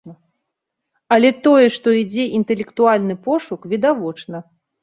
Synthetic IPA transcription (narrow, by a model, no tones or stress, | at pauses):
ɐ | ɐlʲɛt̪ɔjɛʂt̪ɔid͡zʲɛʔint̪ɛlʲɛkt̪ualʲnɨpɔʂukvʲid̪avɔt͡ʂnɐ